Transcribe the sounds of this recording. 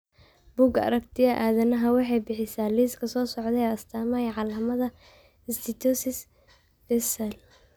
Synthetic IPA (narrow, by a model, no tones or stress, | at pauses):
b̥uːɡɐ̰ɾɐkt̪ʰɪjɐʔaːðɐnɐɦɐwɑħɑjbɪħɪsaːliːskʰɐsɔːsɔʕd̪ɛɐst̪ʰaːmɐjʕɑlɐmɐðɐ | ɪst̪ʰɪt̪ʰusɪs | fɛsɛl